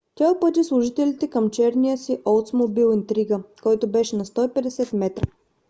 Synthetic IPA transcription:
t̪ʲaupɤt̪islˠʊʒit̪ɛlʲit̪ɛkəmt͡ʃɛɾnijəsiʔɔlˠt̪smobilˠint̪ɾiɡəkɔjt̪obɛʃɛnɐst̪ɔipɛd̪ɛsɛt̪mɛt̪ɾə

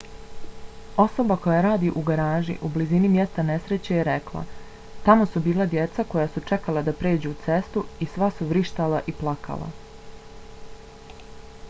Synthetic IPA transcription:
o̞so̞bako̞jaɾaːd̪iʔuɡaɾaːʒḭʔublizinimjest̪ane̞sɾet͡ɕejeɾeklˠa̰ | t̪amo̞subiːlˠad̪je̞t̪sako̞jasut͡ʂekalˠad̪apɾeːd͡ʑuut̪se̞st̪uisʋasuʋɾiʃt̪alaʔiplˠakʰa̰lˠa̰

